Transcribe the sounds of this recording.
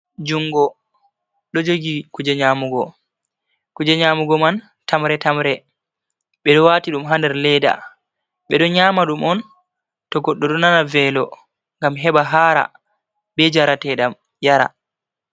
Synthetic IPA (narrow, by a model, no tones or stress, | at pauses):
d͡ʒuŋɡɔ | ɗɔd͡ʒoɡikud͡ʒɛɲaːmuɡɔ | kud͡ʒɛɲaːmuɡɔman | tamɾɛtamɾɛ | ɓɛɗɔwaːtiɗumɦandɛɾlɛda̰ | ɓɛɗɔɲaːmaɗumɔn | tɔɡɔɗːɔɗɔnanavɛlɔ | ŋɡamɦɛɓaɦaːɾa̰ | bɛd͡ʒaɾatɛɗam | jaɾa̰